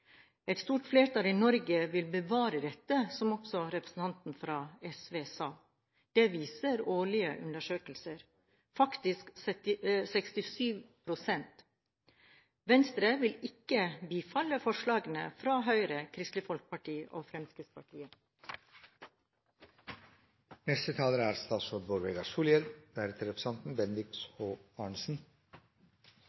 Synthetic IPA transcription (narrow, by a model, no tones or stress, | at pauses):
ɛt̪st̪uːʈfleːʈɑːliːnɔɾɡəʋɪlbəʋɑːɾəd̪ɛt̪ːəsɔmɔksɔɾɛpɾəsn̩t̪ʰɑnt̪n̩fɾɑːɛsʋeːsɑː | d̪̥eːʋiːsəɾoːɭɪə̰ʔʉ̰nd̪əʂøːkəlsəɾ | fɑkt̪ɪsksɛt̪ɪsɛkst̪ɪsyːʋpʰɾʊsɛnt̪ | ʋɛnst̪ɾəʋɪlɪkəbiːfɑləfɔʂɭɑːɡənə̰fɾɑːɦœʏɾəkʰɾɪst̪lɪfɔlk̚pɑʈʰiːʔo̰ːfɾɛmskɾɪt̪spɑʈʰiːə | nɛst̪ət̪ʰɑːləɾæːɾst̪ɑːt̪sɔːɖ̪bɔɾʋeːɡɑsuːljəɾdæːɾɛt̪əɾɛpʰɾəsɑnt̪n̩bɛnd̪ɪkshoːɑːɳsn̩